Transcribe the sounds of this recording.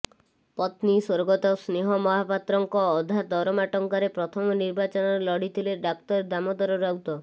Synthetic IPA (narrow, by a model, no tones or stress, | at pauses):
pɔt̪niswoɾɡɔt̪ɔsneɦɔmɔɦapat̪ɾɔŋkɔːd̪ʱad̪ɔɾɔmaʈɔŋkaɾepɾɔt̪ʰɔmɔniɾbat͡ʃɔnɔɾelɔɽit̪ʰileɖak̚t̪ɔɾed̪amɔd̪ɔɾɔɾawt̪ɔ